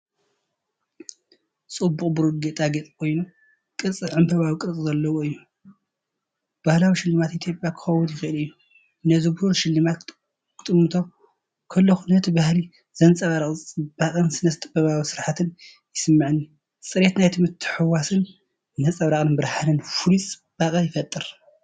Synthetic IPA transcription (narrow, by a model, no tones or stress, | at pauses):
sʼɨbːukʼbɨɾɨɡet̪ʼaɡet̪ʼi̥kʰo̞jnu | kʼɨɾt͡sʼɨʕɨmbʰɐβawikʼɨɾt͡sʼɨzɐlːɐwoɨjːu | b̥ahlawiʃɪlːɨmat̪it̪ʰjo̞pʼjakʰɨ̥xɐwːʊnjɪxɨʔɨlɨjːu | nɐzɨbɾuɾʃɪlːɨmat̪ | kʰɨ̥t̪ʼɨmːɨt̪ʰo̞ | kʰɐlːoxunɐt̪ʰibahli | z̥ɐnt͡sʼɐβaɾaχʼɨb̥aχʼɨnsɨnɐst̪ʼɨbɐβawisɨɾħat̪ʰɨn | jɪsɨmːɨʕɨnːi | t͡sʼɨɾe̞t̪najt̪ʰɨmɨt̪ʰːɨ̥ħɨwasɨn | nɐt͡sʼɐβɾaχʼɨnbɨɾħanɨnfulit͡sʼɨb̥akʼɐjɪfɐt̪ʼːɨɾ